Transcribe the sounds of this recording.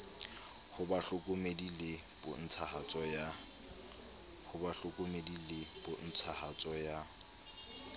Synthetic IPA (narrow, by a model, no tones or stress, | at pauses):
hʊbaɬʊkʼʊmedileb̥ʊn̩t͡sʰahat͡sʼɔja | hʊbaɬʊkʼʊmedileb̥ʊn̩t͡sʰahat͡sʼɔja